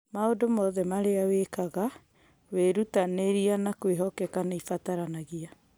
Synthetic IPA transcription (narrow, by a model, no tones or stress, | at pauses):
maodomɔðɛmaɾeawekaɣa | weɾutaneɾianakweɦɔkɛkaneifataɾanaɣia